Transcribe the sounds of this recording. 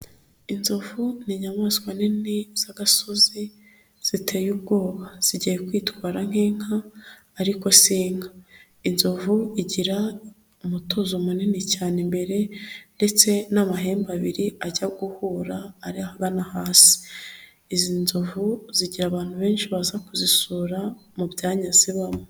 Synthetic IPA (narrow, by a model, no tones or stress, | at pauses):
inzovuniɲamaːskwaniniz̥aɡasozi | z̥itʰe̞ːjubɡo̞ːβaz̥iɟijekwiːtwaːɾaŋ̥heːŋ̥aː | ɾiko̞siːŋa | inzovuiɟiɾa | umutozomuninicaːnembe̞ɾe̞nde̞t͡se̞namaɦe̞ːmbaβiɾiaɟaɡuhuːɾaːɾiahaɡanahaːsi̥ | izinzuvuziɟiɾaːβaːn̥huβe̞ːnʃiβazakuzisuːɾamuβjaːɲaziβamo